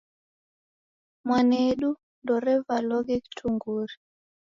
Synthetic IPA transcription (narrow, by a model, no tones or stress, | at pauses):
mwanɛɗu | ndɔɾɛvalɔɡɛki̥tʰuŋɡuɾi